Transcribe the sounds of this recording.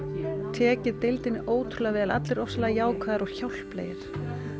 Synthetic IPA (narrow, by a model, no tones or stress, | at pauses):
t̪ʰɛːcɪðt̪ejlt̪ɪnːɪʔoːwt̪ʰɾʏlavɛːðala̰t̪lɪɾɔsalajaːwkʰvaːðɪɾɔɣ̥çawl̥plḛːjɪɾ̥